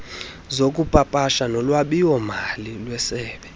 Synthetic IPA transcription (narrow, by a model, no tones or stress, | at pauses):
zokʼupʼapʼaʃanɔlwaɓijwɔmalilwɛsɛːɓɛ